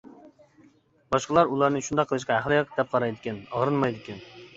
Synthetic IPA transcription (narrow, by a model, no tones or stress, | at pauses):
bɑʃqəlˠɑɾulˠɑɾnɨʃund̪ɑqʰːəlˠɨʃ̬qɑhæχlˠɨjqd̪ɛp̚qʰɑɾɑjd̪ɪkʲɛnɑʁɾɨnmɑjd̪ɪkʲɛn